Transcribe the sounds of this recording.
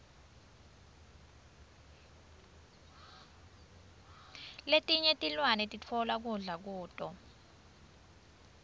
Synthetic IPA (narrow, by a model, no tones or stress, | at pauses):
letʼiɲetʼilwanɛtʼit͡fʰɔlak̬uɮak̬uːtʼɔ